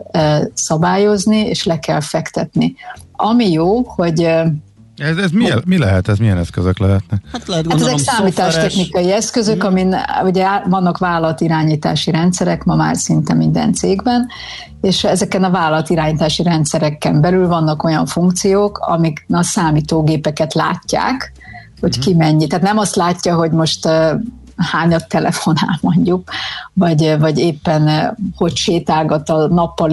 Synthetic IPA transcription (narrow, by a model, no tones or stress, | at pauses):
sɒbaːjo̞znieːʃlɛkɛlfɛkt̪ɛt̪niɒmijoːho̞ɟ | ɛzɛzmimilɛɦɛt̪ɛzmijɛnɛskøzøklɛɦɛt̪nɛat̪lɛat̪ɛzɛksaːmiːt̪aːʃt̪ɛxnikɒjiɛskø̞zø̞kɒminuɟɛvɒnːɒkʋaːlɒlt̪iɾaːɲiːt̪a̰ːʃiɾɛnt̪sɛɾɛkmɒma̰ːrsint̪ɛmind̪ɛ̰nt̪seːɡbɛn | eːʃɛzɛkɛnɒvaːlɒlɒt̪iɾaːɲiːt̪aːʃiɾɛnt̪sɛɾɛkːɛmbɛlylvɒnːɒko̞jɒɱfuŋkt̪sijoːkʰɒ̰miknɒsaːmiːt̪oːɡeːpɛkɛt̪la̰ːcːa̰ːk | ho̞ckimɛɲːit̪aːt̪nɛmɒst̪laːcːɒɦo̞ɟmo̞ʃt̪ː | haːɲɒt̪ːɛlɛfo̞na̰ːlmoɲɟukvɒɟvɒɟeːpːɛnho̞cʃeːt̪aːɡɒt̪ɒnɒpːɒl